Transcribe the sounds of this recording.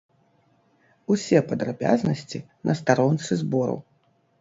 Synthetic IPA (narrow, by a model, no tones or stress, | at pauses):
usʲɛpɐd̪ɾabʲa̰znɐsʲt͡sʲi | nʔɐst̪aɾɔnt̪sɨzbɔɾṵw